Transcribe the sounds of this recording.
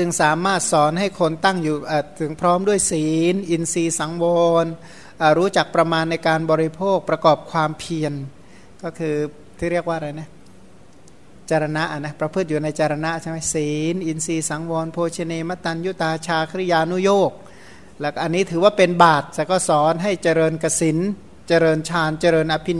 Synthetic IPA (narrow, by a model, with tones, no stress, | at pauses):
t͡ɕɯ˧ŋsaː˩˦maː˥˩t̪̚sɔː˩˦nɦa˥˩jkʰo˧nt̪a˥˩ŋjuː˨˩ʔaː˧˩t̪ʰɯ˩˦ŋpʰɾɔː˦˥mdu˥˩əjsiː˩˦nʔi˧nsiː˧sa˩˦ŋwɔː˧n | ʔaː˨˩ɾuː˦˥t͡ɕa˨˩k̚pɾa˧maː˧nːa˧jkaː˧nbɔː˧ɾi˦˥pʰoː˥˩k̚pɾa˧kɔː˨˩p̚kʰwaː˧mpʰi˧ən | kɔː˥˩kʰɯː˧ | t̪ʰiː˥˩ɾi˥˩ək̚waː˥˩a˧ɾa˧jna˦˥˩ | t͡ɕa˧ɾa˧na˦˥ʔa˨˩na˦˥˩pɾa˧pʰɯ˥˩t̪̚juː˨˩na˧jt͡ɕa˧ɾa˧na˦˥˨t͡ɕʰa˥˩jma˦˥jsiː˨˩˦nʔi˧nsiː˧sa˩˦ŋwɔː˧npʰoː˧t͡ɕʰi˧neː˧ma˦˥t̪a˧nju˦˥t̪aː˧t͡ɕʰaː˧kʰa˧˦ɾi˦˧˩jaː˧nu˦˥˩joː˥˩k̚ | lɛː˧˩kɔ˥˩ʔnːiː˦˥t̪ʰɯː˩˦waː˥˩pe˧nbaː˨˩t̪̚sɛː˧˩kɔː˥˩sɔː˩˦nɦa˥˩jt͡ɕa˧ɾɤː˧nka˧si˩˦n | t͡ɕa˧ɾɤː˧nt͡ɕʰaː˧nt͡ɕa˧ɾɤː˧nʔa˧pʰi˦˥